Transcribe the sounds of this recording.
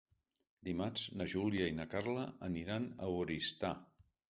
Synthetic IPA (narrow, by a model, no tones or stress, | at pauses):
d̪imaznəʒuljəinəkarləːniɾanəwɾist̪a